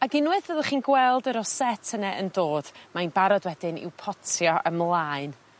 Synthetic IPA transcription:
aɡɪnwɨðvəðəχiːnɡwɛlˠdəɾɔsɛtʰənɛʔəndoːd̥manbaɾɔdwɛdɪnɪ̰wpʰɔtʰjɔʔəmlˠaɨn

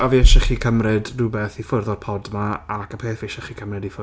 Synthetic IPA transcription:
ɔviːɛʃɛχikʰəmrɨdduːbeːθifʊrðɔd̥̚pʰɔdmaakʰəpʰeːθvieʃɛχikʰəmrɨdifʊ

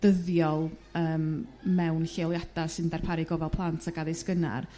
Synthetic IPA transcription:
d̥əðjɔlˠəːmmɛwnɬelˠjadasɨndɛrpʰaɾɪɡɔvɛlˠpʰlˠantʰaɡaðɪskəna̰r

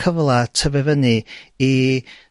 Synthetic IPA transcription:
əvlˠatʰəvɛvənɨi

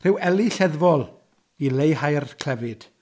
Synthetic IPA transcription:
r̥ɨwɛliɬɛðvɔlˠ | ilejhajrkʰl̥ɛvɨd̥

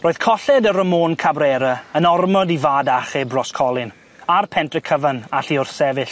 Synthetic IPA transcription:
roːɨð̥kʰɔɬɛdəɾəmoːnkʰabrɛːɾəənɔrmɔdivaːdaχɛbrɔskʰɔlˠɪn | arpʰɛntrəkʰəvənaɬiʊrsɛvɪɬ

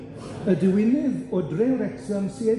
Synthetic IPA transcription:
ədɪwɪnɪðɔdreɾɛksɔnsiɛ

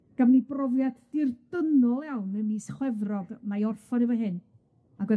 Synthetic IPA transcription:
ɡ̥amnibrɔvjaddɪrd̥ənɔlˠjawnəmiːsχwɛvrɔɡmajɔrfɔnivəɦɨn | aɡwɛ

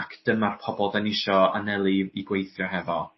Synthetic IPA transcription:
akʰd̥əmarpʰɔbɔlˠdanɪʃɔanɛlˠiiɡwejθjɔɦɛvɔ

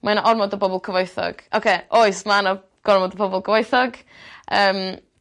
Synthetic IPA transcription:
mʔanaʔɔɾrmɔdɔbɔbɔlˠkʰəvojθɔ̰ɡ̥ʔo̰wkʰejʔojsmanɔ | ɡ̥ɔrmɔdəbɔbɔlˠkʰəvojθɔɡ | əːm

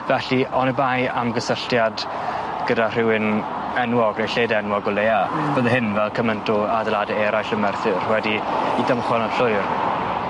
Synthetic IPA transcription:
vɛɬiʔɔnəbajamɡəsəɬtjad | ɡ̥ədar̥ɪwɪn | ɛnwɔɡrejɬeːdɛnwɔɡɔlˠeab̥oðəɦɪnvɛlˠkʰəməntʰʊadəlˠadɛɛɾajɬəmɛrθɨrwɛdiidəmχwɛnɔɬʊjr

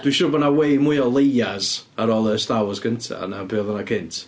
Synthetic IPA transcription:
d̥wiʃʊɾbɔdnawejmʊjɔlˠejaz | aɾɔlˠəstawɔsɡəntʰa̰napʰɪɔðɔnakʰɪntʰ

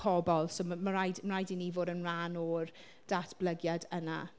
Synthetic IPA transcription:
ɔbɔlˠsoːmmaɾajdmrajdiniːvoːdənranɔr | d̥atʰb̥ləɡjadəna̰

